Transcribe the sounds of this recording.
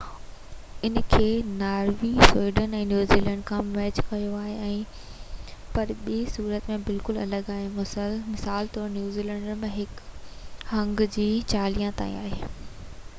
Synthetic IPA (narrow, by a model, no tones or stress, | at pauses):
ɪnkʰeːnaːɾʋiswiːɖənɛ̃ːnjuːziːlɛ̃ɳɖkʰãːmɛːt͡ɕkɐijoaːɦeɛ̃ː | pɐɾɓiːsuːɾət̪mẽbɪlkʊlɐ̰ləɡaːɦemʊsəlmɪsaːlt̪ɔːɾnjuːziːlɛ̃ːɳɖəɾmẽɦɪk | ɦɐ̃ŋɡd͡ʑiːt͡ɕaːlijãt̪a̰ːḭ̃a̰ːɦeː